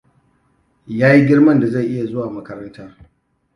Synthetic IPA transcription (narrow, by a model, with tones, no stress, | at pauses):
jaː˦ji˦ɡʲɪ˦ɽmɐ˦˨nda˨za˦˨ʔɪ˦ja˨zo˦waː˨mɐ˦kɐ˦ɾɐ˦ntaː˦